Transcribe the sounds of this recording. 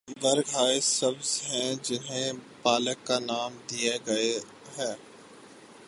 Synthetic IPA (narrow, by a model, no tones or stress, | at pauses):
ʋɐɾɡʱaːesɐbzɦɛ̃d͡ʒɪnɦẽpaːləkːanaːmd̪ijeɡɐe | ɦɛ̃ː